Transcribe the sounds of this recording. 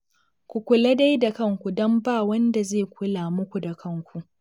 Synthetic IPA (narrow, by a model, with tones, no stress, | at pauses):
kʷu˨kʷʊ˨lɐ˦da˦jda˨kɐ˦˨ŋkʷu˨dɔ˦mbaː˦˨wɐ˦nda˨zeː˦˨kʷʰʊ˦laː˨mʊ˦kʷu˨da˨kʰɐ˦˨ŋkʷu˨ʔ